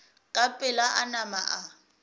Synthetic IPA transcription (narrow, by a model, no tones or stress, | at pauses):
kʼapʼɪlaʔanamaʔa